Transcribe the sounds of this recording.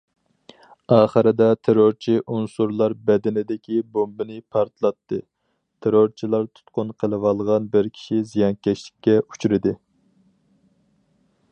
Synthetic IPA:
ɑːχəɾɪd̪ɛt̪ʰeɾoɾt͡ʃʰiʔunsuɾlˠɑɾbɛd̪ɪnɪd̪ɪkʲʰibombɨnɪpʰɑɾt̪lˠɑt̪ːɨ | t̪ʰeɾoɾt͡ʃʰilˠɑɾt̪ʰu̥t̪qʊnqʰəlˠɨwɑlˠʁɑnbɪɾkʲʰi̥ʃizijɑnkʲɛʃlɪ̥kʲːɛu̥t͡ʃʰuɾɪd̪ɨ

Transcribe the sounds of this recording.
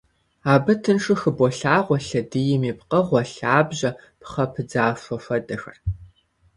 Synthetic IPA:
aːbɐtʰɨnʂɨxɨbɔɬaːʁʷɔɬɐdɨjɪmiːpqɐʁʷɔɬaːbʑɐ | pχɐpʰɨd͡zaːfɐfɐdɐxɐ̰r

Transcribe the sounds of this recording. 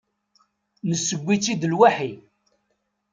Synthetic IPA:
nəsːəɡʷːit͡sːid̪əlwaħi

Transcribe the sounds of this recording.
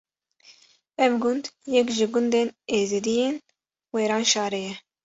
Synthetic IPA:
ɛvɡʊnd̪jɛkʒɪɡʊnd̪eːneːzid̪ijeːn | weːɾɑːnʃɑːɾejɛ

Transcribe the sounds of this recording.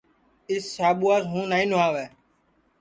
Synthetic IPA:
ɪsːaːɓuːaːsɦũːnaːĩːnʊaːʋɛː

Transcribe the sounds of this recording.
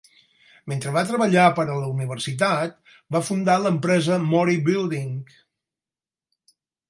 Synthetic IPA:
ment̪ɾəβat̪ɾəβəʎapəɾələuniβ̞ərsit̪at̪ | bafund̪aləmpɾɛzəmɔɾibilˠd̪iŋk

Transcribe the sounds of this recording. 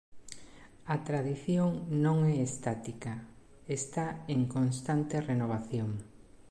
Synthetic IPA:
at̪ɾaðiθjoŋnõŋɛest̪at̪ika | est̪aeŋkonst̪ant̪erenoβ̞aθjoŋ

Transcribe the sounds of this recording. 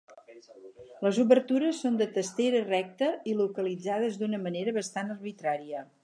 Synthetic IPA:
ləzuβərt̪uɾəsːond̪ət̪əst̪eɾərɛk̚t̪əilukəlid͡zaðəzd̪unəməneɾəβəst̪anərβit̪ɾaɾiə

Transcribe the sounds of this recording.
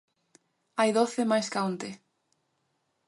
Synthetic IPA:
ajðoθemajskaont̪e

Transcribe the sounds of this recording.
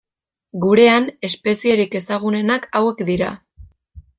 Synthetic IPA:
ɡuɾe̞ane̞spe̞sie̞ɾike̞saɣ̞une̞nakawe̞kd̪iɾa̰

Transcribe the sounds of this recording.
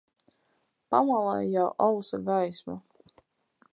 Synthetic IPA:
pamalˠajjawʔawsaɡajsma

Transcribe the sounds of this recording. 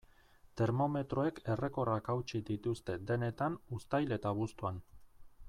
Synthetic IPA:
t̪e̞ɾmo̞me̞t̪ɾo̞e̞kʰe̞re̞ko̞rakawt͡ʃid̪it̪ust̪e̞d̪e̞ne̞t̪anust̪ajle̞t̪aβust̪uan

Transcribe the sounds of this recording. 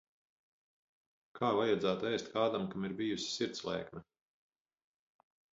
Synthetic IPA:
kʰaːvajad̪zæːt̪uɛjst̪kaːd̪amkamiɾbijusi̥siɾt̪slˠɛ̰ːkmɛ

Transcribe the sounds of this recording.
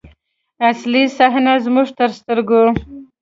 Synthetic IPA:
aslisaɦnazmuʐt̪əɾst̪əɾɡo

